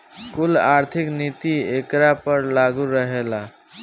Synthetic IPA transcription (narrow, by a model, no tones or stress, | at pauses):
skulaɾt̪ʰiknit̪iekɾapəɾlaɡuɾəɦela